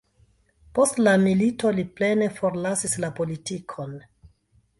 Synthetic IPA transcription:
po̞stlamilito̞liple̞ne̞fo̞ɾlasislapo̞litikʰo̞n

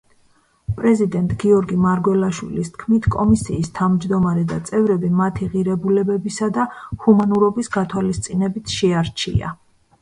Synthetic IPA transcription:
pʼɾɛzid̪ɛnt̪ʼɡiɔɾɡimaɾɡwɛlˠaʃwḭlist̪ʰkʰmit̪ʰkʼɔmisiːst̪ʰavmd͡ʒd̪ɔmaɾɛd̪at̪sʼɛvɾɛbimat̪ʰiʁiɾɛbulɛbɛbisad̪ahumanuɾɔbisɡat̪ʰwalist̪sʼinɛbit̪ʰʃɛaɾt͡ʃʰḭa̰

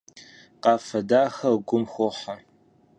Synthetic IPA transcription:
qɑːfɐdaːxɐɡʷʊmxʷʊħɐ

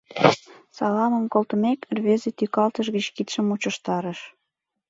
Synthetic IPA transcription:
sɑlɑməmkolt̪ə̆mekrβezet̪ykɑlt̪əʃɣət͡ɕkit̪ʃəmut͡ɕəʃt̪ɑɾəʃ

